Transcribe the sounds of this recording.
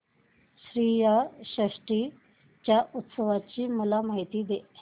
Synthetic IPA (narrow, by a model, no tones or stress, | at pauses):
ɕɾiːjaɕɾəʂʈi | t͡ɕjaʔut̪səʋat͡ɕiːməlamaɦit̪iːd̪e